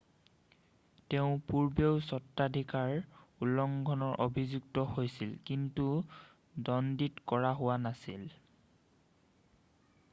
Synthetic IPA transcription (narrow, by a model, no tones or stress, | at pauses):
teʊ̃puɹbeʊsɔtːadʱikaɹulːɔŋɡʱɔnɔɹʔobʱizuɡtɔhojsilkintu | dɔnditkɔɹaɦʊwanasḭl